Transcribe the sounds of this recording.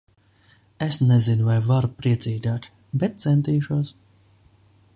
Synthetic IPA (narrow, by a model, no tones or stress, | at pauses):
esnɛzinuvajvaɾupɾiɛt̪siːd̪aːk̪ | bɛt̪̚t̪sɛnt̪iːʃuɔs